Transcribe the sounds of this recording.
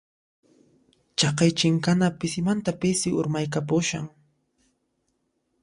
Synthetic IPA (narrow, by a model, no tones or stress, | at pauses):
t͡ʃɑqɑjt͡ʃɪŋkanapɪsɪmant̪apɪsɪʊɾmajkapʊʃa̰ŋ